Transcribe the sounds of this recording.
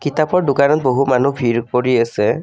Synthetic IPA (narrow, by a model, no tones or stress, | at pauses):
kitapɔɹdukanɔt̚boɦumanubʱiɹkoɹiasɛ